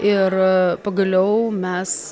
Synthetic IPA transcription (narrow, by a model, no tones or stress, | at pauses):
ɪrpɐɡɐlʲɛʊmʲɛs